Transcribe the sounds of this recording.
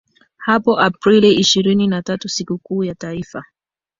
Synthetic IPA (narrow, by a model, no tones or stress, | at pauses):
hapɔʔapɾiliiʃiɾininatatusikukuːjataifa